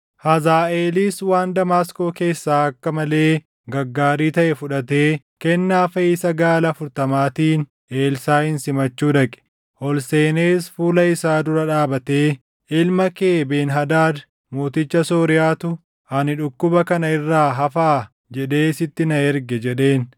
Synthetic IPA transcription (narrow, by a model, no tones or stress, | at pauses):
hɐzaːeːliːswaːnd̪ɐmaːsko̞ːke̞ːsːaːɐkːɐmɐle̞ː | ɡɐɡːaːɾiːt̪ɐʔɛfʊᶑɐt̪eː | kɛnːaːfɐɪsɐɡaːlɐfʊɾt̪ɐmaːt̪iːn | e̞ːlsaːhɪnsɪmɐt͡ʃːuːᶑɐkʼɛ̥ | ʔɔlseːneːsfuːlɐɪsaːd̪ʊɾɐᶑaːbɐt̪e̞ː | ʔɪlmɐke̞ːbe̞ːnɦɐd̪aːd̪ | moːt̪ɪt͡ʃːɐsoːɾɪjaːt̪ʊ | hɐnɪᶑʊkːʊbɐkɐnɐɪrːaːɦɐfaː | d͡ʒɛɗe̞ːsɪt̪ːɪnɐɛɾɡɛd͡ʒɛɗe̞ːn